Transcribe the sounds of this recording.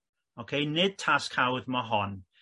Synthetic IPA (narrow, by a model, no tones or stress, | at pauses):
okʰejnɪd̥̚tʰaskʰawðmɔɦɔn